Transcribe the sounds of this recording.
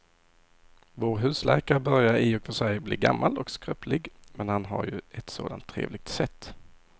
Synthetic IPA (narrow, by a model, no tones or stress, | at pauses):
voːɾɦʉ̟ːslʔæ̰ɾkaɾəbœɾjaɾɪɔkfœʂɛjbliːɡa̰mːalɔkskɾœpʰlɪɡmɛnhanɦa̰ɾjɵɛt̪so̰ːd̪ant̪ʰːɾḛːvlɪɡ̥̚t̪sɛt̪ː